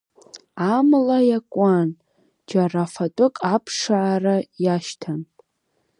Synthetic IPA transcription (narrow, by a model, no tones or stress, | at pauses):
amlajakʷʼan | d͡ʒarafatʷʼʊkʼapʰʂaʕːrajaʃtʰan